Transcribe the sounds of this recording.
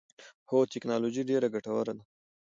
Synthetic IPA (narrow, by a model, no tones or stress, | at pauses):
xot̪ɪknɑlod͡ʒiɖeɾaɡaʈawaɾad̪a